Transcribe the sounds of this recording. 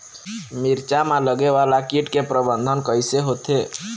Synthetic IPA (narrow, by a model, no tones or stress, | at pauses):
miɾt͡ʃamaləɡeʋalakiʈkepɾəbənd̪ʱənkəjseɦot̪ʰe